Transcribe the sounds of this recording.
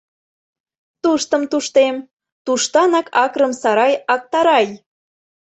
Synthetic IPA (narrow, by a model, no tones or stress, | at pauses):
t̪uʃt̪ə̆mt̪uʃt̪em | t̪uʃt̪ɑnɑkʰɑkɾəmsɑɾɑjɑk̚t̪ɑɾɑj